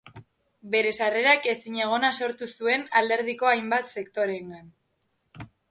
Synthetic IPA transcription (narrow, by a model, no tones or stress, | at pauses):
be̞ɾe̞sare̞ɾake̞siɲe̞ɣ̞o̞naso̞ɾt̪usue̞nald̪e̞ɾð̞iko̞ajmbat̪se̞kt̪o̞ɾe̞ŋɡan